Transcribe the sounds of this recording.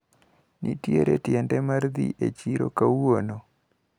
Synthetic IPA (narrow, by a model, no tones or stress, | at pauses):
nʔitjeɾetjɛndɛmaɾðḭʔet͡ʃiɾo̰kawono